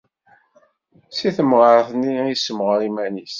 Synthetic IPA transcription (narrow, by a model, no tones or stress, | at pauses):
siθəmʁəɾθniisəmʁəɾimænis